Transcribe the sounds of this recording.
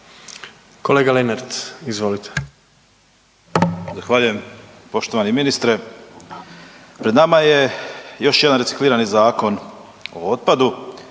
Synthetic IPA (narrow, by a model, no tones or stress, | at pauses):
koleːɡalenaɾt̪izʋo̞lit̪ʰe̥ | zaxʋaːʎuje̞m | po̞ʃt̪o̞ʋaniminist̪ɾe | pɾed̪namaje̞jo̞ʃjed̪anɾesi̥kliːɾanizaːko̞n | o̞̰o̞t̪̚pad̪u